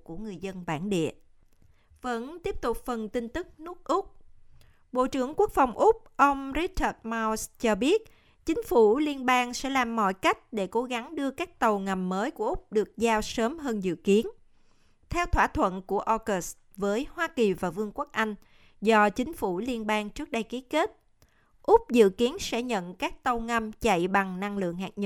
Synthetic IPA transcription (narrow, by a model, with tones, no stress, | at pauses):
ku˧˩əŋɨ˨˩əjzə˧nɓaː˧˩nɗḭ˧˨ə | və̰˧˥nt̪i˦˥əp̚t̪ʊ˨˩k͡p̚fə˨˩nt̪ï˧ŋ̟t̪ɨ˦˥k̚nu˦˥ək̚ʔʊ˦˥k͡p̚ | ɓo̰˧˨t͡ɕɨ˧˩əŋku˦˥ək̚fa˨˩wŋ͡mʔʊ˦˥k͡p̚ʔə˧wŋ͡mɾi˦˥t͡ɕəː˧˩t̚ma˧wst͡ɕɔ˧ɓi˦˥ət̚ | t͡ɕï˨˦ŋ̟fu˧˩li˧ənɓaː˧ŋsɛ̰˧˥laː˨˩mːɔ̰˧˨jka˦˥jk̟̚ɗe˧˩ko˨˦ɣa˨˦ŋɗɨ˧əkaː˦˥k̚t̪ə˨˩wŋa˨˩mːəː˨˦jku˧˩əʔʊ˦˥k͡p̚ɗɨ˨˩ək̚zaː˧wsəː˨˦mɦəː˧nzɨ̰˧˨ki˨˦ən | t̪ʰɛ˧wt̪ʰwaː˧˩t̪ʰwə̰˧˨nku˧˩əʔo˧ɣə˨˦˥st | vəː˨˦jhwaː˧ki˨˩vaː˨˩vɨ˧əŋku˦˥k̚ʔa˧jŋ̟ | zɔ˧t͡ɕï˨˦ŋ̟fu˧˩li˧ənɓaː˧ŋt͡ɕɨ˦˥ək̚ɗə˧jki˨˦ke˦˥t̚ | ʔʊ˦˥k͡p̚zɨ̰˧˨ki˨˦ənsɛ̰˧˥ɲə̰˧˨nkaː˦˥k̚t̪ə˨˩wŋa˨˩mt͡ɕə̰˧˨jɓa˨˩ŋna˧ŋlɨ̰˧˨əŋɦa̰ː˨˩k̚ɲə˦˧